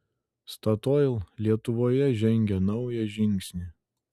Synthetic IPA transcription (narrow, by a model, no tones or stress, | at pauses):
st̪ɐt̪oɪlˠlʲiɛt̪ʊʋoːjɛʒʲɛŋʲɡʲɛnɐʊjɛʒʲɪŋʲksʲnʲi